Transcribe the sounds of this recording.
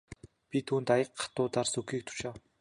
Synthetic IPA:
pʲit̪ʰuːnt̪ajə̆qːḁt̪ʊːt̪arsɵxiːk̚t̪ʰʊ̥ʃăw

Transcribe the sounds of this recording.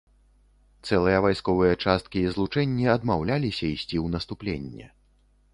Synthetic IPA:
t̪sɛlˠɨjɐvajskɔvɨjɐt͡ʂast̪̚kʲiːzlˠut͡ʂɛnʲːiɐd̪mawlʲalʲisʲɐisʲt͡sʲiwnɐst̪uplʲenʲːɛ̰

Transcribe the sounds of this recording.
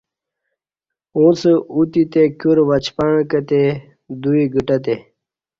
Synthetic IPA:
ũt͡səut̪it̪ekjuɾʋɐt͡ɕpaɳ̃kət̪e | d̪uiɡiʈɐt̪e

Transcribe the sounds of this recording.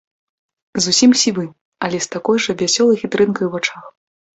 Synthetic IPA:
zusʲimsʲivɨ | ɐlʲɛst̪akɔjʐɐvʲasʲɔlˠɐjxʲit̪ɾɨnkɐjuwvat͡ʂax

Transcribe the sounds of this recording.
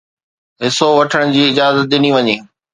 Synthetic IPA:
ɦɪsoʋɐʈʰəɽ̃d͡ʑiːɪd͡ʑaːzət̪̚ɗɪniʋɐɲeː

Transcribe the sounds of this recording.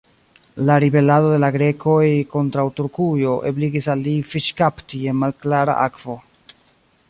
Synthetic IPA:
laɾibe̞lado̞de̞laɡɾe̞kʰo̞jko̞ntɾawtuɾkujo̞ʔebliɡisalːifiʃkaptie̞nmalklaɾa̰ʔakv̥o̞

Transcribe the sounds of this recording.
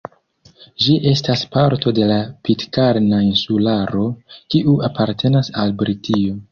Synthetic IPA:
d͡ʒiʔe̞staspaɾto̞de̞lapitkaɾnainsulaɾo̞kiʔuapʰaɾtʰe̞nasalbɾitʰio

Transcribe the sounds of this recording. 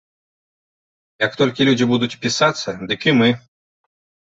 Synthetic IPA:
jɐkt̪ɔlʲkʲilʲud͡zʲibud̪ut͡sʲpʲisat̪sːɐd̪ɨkimɨ

